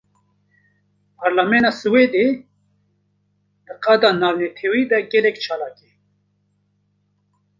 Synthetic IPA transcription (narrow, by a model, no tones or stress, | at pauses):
pʰaɾlamɛnaːsɨweːd̪e | d̪̥ɨqɑd̪ɑːnaːwnɛt̪ʰɛwiːd̪ɛɡɛlɛkt͡ʃʰaːlaːke